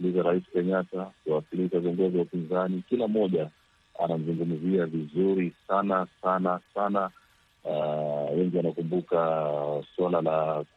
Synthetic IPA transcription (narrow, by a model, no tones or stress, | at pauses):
lizaɾaisi̥kɛɲatakuwasiliʃaviɔŋɡɔziwaupinzanikilamɔʄa | a̰nam̩zuŋɡum̩ziavizuɾisanasanasana | wɛŋɡiwanakumbukaswalala